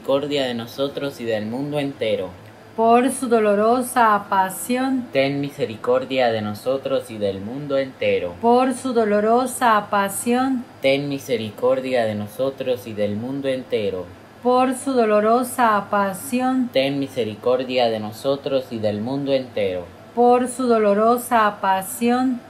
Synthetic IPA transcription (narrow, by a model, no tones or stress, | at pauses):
ikoɾðjaðeno̞so̞t̪ɾosiðelmũnd̪oe̞nt̪e̞ɾo | poɾsuðoloɾosapasjont̪eŋmise̞ɾiko̞ɾðjaðe̞noso̞t̪ɾo̞siðelmũnd̪oent̪eɾo̰poɾsuðoloɾosapasjont̪eŋmise̞ɾiko̞ɾðjaðeno̞sot̪ɾo̞siðelmũnd̪oent̪e̞ɾo | poɾsuðoloɾosapasjont̪eŋmiseɾiko̞ɾðjaðeno̞sot̪ɾosiðe̞lmũnd̪oent̪eɾo̰ | poɾsuðoloɾosapasjon